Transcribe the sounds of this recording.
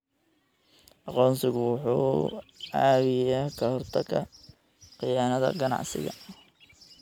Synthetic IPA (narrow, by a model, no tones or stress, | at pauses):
ʔɑqɔːnsɪɣʊwʊħṵːʕaːɣɛjaːkʰɐhɔrt̪ʰɐkʰɐ | qɪjaːnɐðɐ̰ɡɐnɑ̰ʕsɪ̰ɣɐ̰